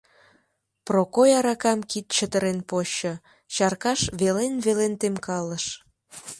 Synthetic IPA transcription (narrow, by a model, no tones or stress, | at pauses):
prokojɑɾɑkɑmkit̪̚t͡ɕət̪əɾenpoɕə | t͡ɕɑrkɑʃβelenβelent̪emkɑləʃ